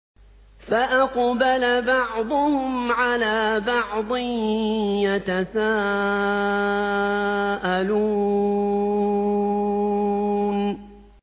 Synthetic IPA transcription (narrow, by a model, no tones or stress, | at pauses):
faʔɑqbalabɑʕd̪ˤʊhʊmʕalaːbɑʕd̪ˤɨ | jat̪asaː | ʔaluː | n